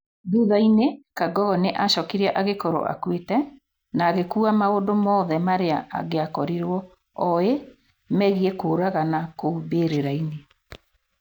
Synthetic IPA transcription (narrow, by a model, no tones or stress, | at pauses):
duðainekaɡɔɣɔneʔaʃɔkiɾiaʔaɣekoɾo̰ʔa̰kwetɛ | naːɣekuːamaodomɔːðɛmaɾeaʔa̰ɣeakɔɾiɾwɔ | ɔe | mɛɣiɛkoːɾaɣanakoubeɾeɾaine